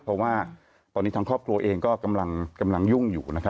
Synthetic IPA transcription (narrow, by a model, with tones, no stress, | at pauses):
pʰɔ˦˥waː˥˩ | t̪ɔː˧ni˦˥aː˧ŋkʰɔː˥˩p̚kʰɾu˧ɐʔeː˧ŋkɔː˥˩ka˧mla˧ŋka˧mla˧ŋju˥˩ŋjuː˨˩na˦˥kʰa˦˥